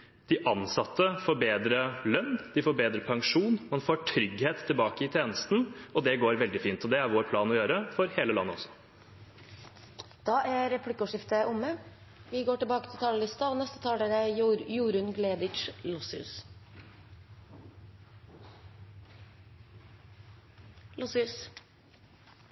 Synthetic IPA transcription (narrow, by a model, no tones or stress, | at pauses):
d̪̥ɪʔɑnsɑt̪ʰːəfɔɾbeːd̪ɾəlœnːd̪̥ɪfoːbeːd̪ɾəpʰɑŋʂuːnmɑnfoːʈʰɾʏɡheːt̪ʰːɪlbɑːkəɪt̪ʰeːnəst̪n̩ɔd̪ɛɡoːɾʋɛld̪ɪfiːnt̪ʰɔd̪ɛæɾʋoːɾpʰlɑːnɔjøːɾəfɔɾheːləlɑnːəɔ̰sːɔ̥ | d̪̥ɑːʔæɾɛpʰlɪkʊʂɪft̪əʔʊmə | ʋɪɡoːʈɪlbɑːkət̪ʰɪlt̪ɑːləlɪst̪ɑɔnɛst̪ə̥t̪ʰɑːləɾæjuːɾʉnɡleːd̪ɪʃlɔsɪʉ̰s | lɔsɪʉs